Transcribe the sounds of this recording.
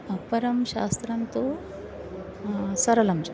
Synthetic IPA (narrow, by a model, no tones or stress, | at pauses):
ɐpɐɾɐmɕa̰ːst̪ɾɐnt̪o | sɐɾɐlɐmd͡ʒ